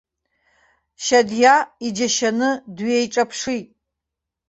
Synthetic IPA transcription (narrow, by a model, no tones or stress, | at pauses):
ʃadjaid͡ʒaʃanɨdɥiejʈ͡ʂʼapʰʂitʼ